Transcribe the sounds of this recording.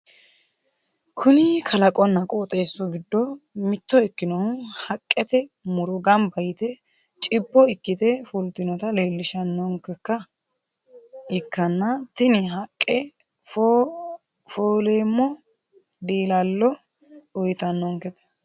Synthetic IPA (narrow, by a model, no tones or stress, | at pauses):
kʰʊnɪkʰɐlɐkʼɔnːɐkʼoːt̪ʼe̞ːsːɔɡɪd̪ːɔmɪt̪ːɔɪkːɪnɔhɐkʼːɛt̪ɛmʊɾɔɡɐmbɐjɪt̪ɛ | t͡ʃʼɪbːɔɪkːɪt̪ɛfʊlt̪ːɪnɔt̪ɐleːlːɪʃɐnːɔŋkɛkːɐ | ɪkːɐnːɐt̪ɪnɪɦɐkʼːɛ | f | foːleːmːɔ | d̪iːlɐlːɔ | ɔjt̪ɐnːɔŋkɛt̪ɛ̥